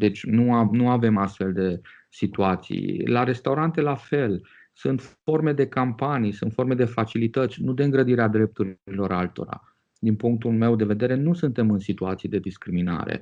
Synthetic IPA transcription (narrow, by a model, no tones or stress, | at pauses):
d̪e̞t͡ʃʲnuanuave̞mast̪fe̞ld̪e̞ | sit̪uat̪sḭjlaɾe̞st̪awɾant̪e̞lafe̞l | sunt̪f | o̞rme̞d̪e̞kampanijsunt̪fo̞rme̞d̪e̞fat͡ʃilit̪ət̪sʲnud̪eɨŋɡɾəd̪iɾead̪ɾe̞p̚t̪uɾilo̞ɾalt̪o̞̰ɾa̰ | d̪inpuŋk̚t̪ulme̞wd̪e̞ve̞d̪e̞ɾe̞nusɨnt̪e̞mɨnsit̪uat̪sied̪e̞d̪iskɾimina̰ɾḛ